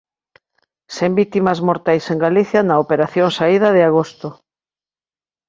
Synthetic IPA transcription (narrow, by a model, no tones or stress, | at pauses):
sembit̪imɐzmoɾt̪ajseŋɡaliθjɐnaopeɾaθjoŋsaið̞ɐð̞ɪaɣ̞ost̪o